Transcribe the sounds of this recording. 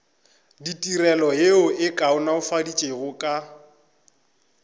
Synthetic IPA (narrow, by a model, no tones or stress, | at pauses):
ditʼirɛlɔɦeʊʔɪkʼaʊnaʊfadit͡ʃʼeɣʊkʼa